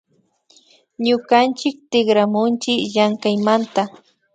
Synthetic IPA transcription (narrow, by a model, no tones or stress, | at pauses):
ɲʊkant͡ʃɪk̚t̪ɪɡɾamʊnt͡ʃɪjaŋkajmant̪a